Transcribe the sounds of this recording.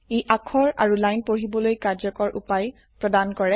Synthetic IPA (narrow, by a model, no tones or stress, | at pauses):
ejʔakʰɔɹa̰ɹulajnpoɹibɔlojkaɹzɔkɔɹʔṵpaj | pɹɔdankɔɹɛ